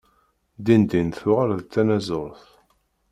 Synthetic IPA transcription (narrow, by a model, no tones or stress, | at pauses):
d̪ind̪inθʊʁalðt͡s̪ːænæzəɾˤθ